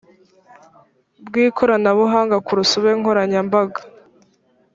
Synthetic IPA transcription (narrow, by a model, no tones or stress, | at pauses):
bɡiːkʰo̞ɾanaβuɦaːŋɡakuɾusuβeŋ̥o̞ɾaɲambaɡḁ